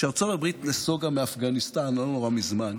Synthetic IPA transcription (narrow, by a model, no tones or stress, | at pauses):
ʃaʁt͡sovabʁitnesoɡameafɡanistanlonoʁamizman